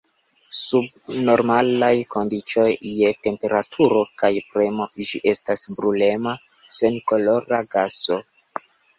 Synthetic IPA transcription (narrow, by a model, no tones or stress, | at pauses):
sub̚no̞ɾmalajko̞ndit͡ʃo̞jːe̞te̞mpe̞ɾatʰuɾo̞kajpɾe̞mo̞d͡ʒiʔe̞stasbɾule̞ma | se̞nko̞lo̞ɾaɡaso̞